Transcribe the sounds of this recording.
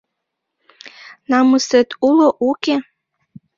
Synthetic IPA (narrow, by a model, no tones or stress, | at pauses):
nɑməset̪uloʔuke